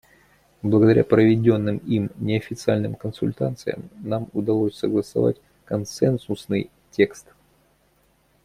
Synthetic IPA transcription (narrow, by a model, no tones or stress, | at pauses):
blˠəɡəd̪ɐɾʲa̰pɾəvʲɪdʲo̞nːɨmimnʲɪɐfʲɪt̪sɨalʲnɨmkənsʊ̰lʲt̪ant̪sɨ̰jə̰mnamʊd̪ɐlˠosʲsəɡlˠəsɐ̰va̰t̚ʲ | kɐnsɛnsʊsnɨj | tʲe̞kst̪